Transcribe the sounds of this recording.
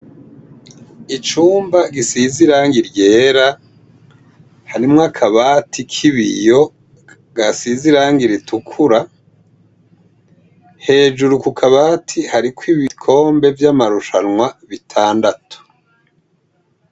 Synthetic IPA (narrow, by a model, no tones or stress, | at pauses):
it͡ʃuːmbaɡisiziɾaːŋɡiɾje̞ːɾa | haɾimŋakʰaβaːtʰikʰiβḭjo̞ | ɡ̥asiziɾaːŋɡiɾitʰukʰuɾa | he̞ːd͡ʒuɾukukʰaβaːtʰihaɾikwiβikʰo̞ːmbe̞vjamaɾuʃanŋwaβitʰaːndatʰu̥